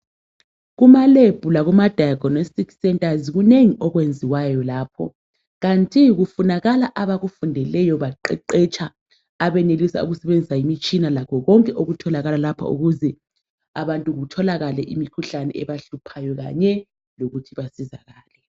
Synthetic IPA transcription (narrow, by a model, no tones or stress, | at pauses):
ɣumaleb̥ʱulaɣumad̥ʱajkɔnostʼiksɛntʼaziɣuneŋiʔɔɣwend͡zʱiwajɔlaːpʰɔ̰ | ɣantʼiɣufunaɣalaʔaβaɣufundʱɛlɛjɔβaǃɛǃɛt͡ʃʼʰaː | βɛnelisa̰ṵɣusɛβend͡zʱisaimit͡ʃʼinalakʰɔɣɔŋkʼɛʔoɣutʰɔlaɣalalapʰa̰ṵɣuzɛ | aβantʼuɣutʰɔlaɣalɛʔimikʰuɬanɛ̰ɛβaɬupʰajɔɣa̰ɲɛ | loɣutʰiβasiza̰ɣaːlɛ